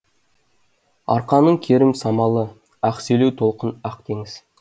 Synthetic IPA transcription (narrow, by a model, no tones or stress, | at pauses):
ɑ̰ɾqɑnəɴkʲʰeɾɪmsɑmɑlˠə | æqselewt̪ʰo̞lˠqənɑq̚t̪ʰe̞ŋɪz̥